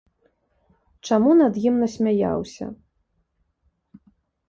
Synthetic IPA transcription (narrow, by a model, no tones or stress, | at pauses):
t͡ʂamunɐd̪jimnɐsʲmʲaja̰wsʲɐ̰